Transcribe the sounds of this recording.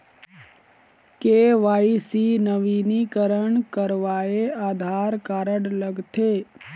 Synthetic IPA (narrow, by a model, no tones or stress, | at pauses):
keːʋaːisinəʋiːnikəɾəɳkəɾʋaːeaːd̪ʱaːɾkaːɾəɽləɡt̪ʰeː